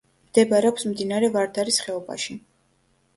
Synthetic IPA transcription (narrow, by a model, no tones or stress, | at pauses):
md̪̥ɛbaɾɛɔpsmd̪inaɾɛvaɾd̪aɾisχɛɔba̰ʃi